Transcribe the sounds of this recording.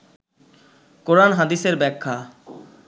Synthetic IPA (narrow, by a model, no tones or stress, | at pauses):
koɾanɦad̪iseɾbɛkʰːa